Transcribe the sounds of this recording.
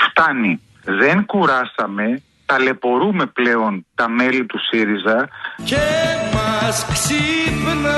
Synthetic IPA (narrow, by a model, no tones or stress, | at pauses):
ft̪ɐni | ðe̞ŋkuɾɐsɐme̞ | t̪ɐle̞po̞ɾume̞ple̞o̞nt̪ɐme̞lit̪usiɾizɐcemɐsksipn